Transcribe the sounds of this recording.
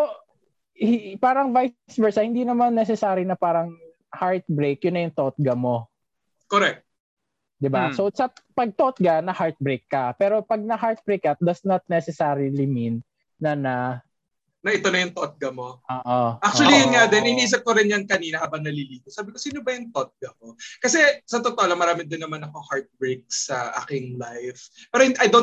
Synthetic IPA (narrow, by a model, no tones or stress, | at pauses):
o | hpaːɾɐŋvajsbɛsɐhɪnd̪inɐmanːɛs̬ɛsaːɾɪnɐpaːɾɐŋ | haɹt̪̚bɾejkjʊnːɐjʊŋt̪ot̪̚ɡɐmo̞ | koɾɛk̚t̪̚ | d̪ɪbasosɐpɐɡ̚t̪ot̪̚ɡɐnɐhaɹt̪̚bɾejkːɐpɛːɾo̞pɐɡ̚nɐɦaɹt̪̚bɹejkːɐt̪̚d̪ɐsnɐt̪̚nɛsɛsaːɾilɪminː | ɐnɐ | nɐʔɪt̪o̞nɐjʊŋt̪oʔt̪̚ɡɐmo̞ʔoːʔoʔak̚t͡ʃʊɐlijʊnŋad̪ɛnʔɪniʔiːs̬ɐp̚koɾɪnjankɐniːnɐhaːbɐŋnɐliliːt̪osaːbɪkosiːnobɐjʊŋt̪ot̪̚ɡɐkokɐsɛsɐt̪ot̪oʔolɐŋmɐɾaːmɪd̪ɪnːɐmanɐkohaɹt̪̚bɾek̚sɐʔa̰ːkɪŋlajfpɛːɾohɪʔɐjd̪o